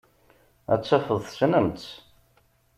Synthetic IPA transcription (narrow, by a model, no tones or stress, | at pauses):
æ̰t͡sːæfəðˤθsnəmt͡s̪